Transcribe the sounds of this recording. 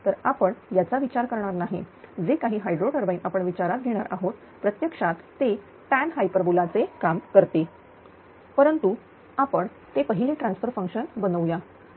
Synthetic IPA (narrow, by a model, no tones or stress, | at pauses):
t̪əɾapəɳjat͡saʋit͡ɕaɾkəɾɳaɾnaɦḭd͡zekaɦiːɦajɖɾoʈəɾbainapəɳʋit͡ɕaɾat̪̚ɡʱeɽ̃aɾʔaɦot̪ | pɾət̪jəkʂat̪ːe | pænɦajpəɾəbulat͡sekamkəɾt̪e | pəɾənt̪u | apəɳ | t̪epəɦilĩːʈɾãnsfəɾfəŋkʂənbənəʋja